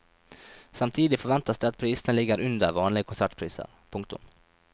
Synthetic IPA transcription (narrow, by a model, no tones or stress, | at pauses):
sɑmt̪ʰiːd̪ɪt̪fɔɾʋɛnt̪asd̪ɛɑt̪̚pʰɾiːsənəlɪɡːəɾʉnd̪əɾʋɑːnlɪɡəkʰʊnsæʈpʰɾiːsə̰ɾ | pʰʊŋk̚t̪ʊ̰m